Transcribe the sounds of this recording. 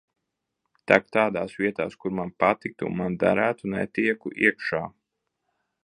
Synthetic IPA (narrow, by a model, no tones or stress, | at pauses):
t̪ak̚t̪aːd̪aːsviɛt̪a̰ːskuɾmanpat̪ik̚t̪ṵnmand̪a̰ɾæːt̪unɛt̪iɛkuʔḭɛkʃaː